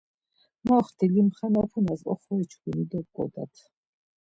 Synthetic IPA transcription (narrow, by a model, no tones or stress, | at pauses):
mɔχt̪ʰilimχanapʰunazɔ̰χɔɛt͡ʃʰkunid̪ɔb̚ɡʼɔ̰d̪a̰t̪ʰ